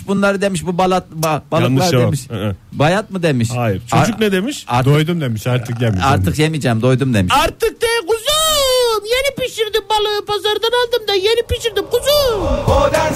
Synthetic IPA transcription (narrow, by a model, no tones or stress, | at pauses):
ʃbunlˠaɾɯd̪emiʃ̬bubalˠat̪̚babalˠalˠaɾd̪emiʃbajat̪̚mɯd̪e̞miʃajiɾt͡ʃʰoad͡ʒukknɛd̪emiʃaɾtd̪ojd̪umd̪emiʃaɾt̪ʰɯkjemiaɾt̪ʰɯkjemid͡ʒɛmd̪o̞jd̪umd̪e̞miʃaɾt̪ʰɯk̚d̪eɡuzumjenipiʃiɾd̪imbalˠɯpʰazaɾd̪analˠd̪ɯmd̪ajenipiʃiɾd̪imkʰuzum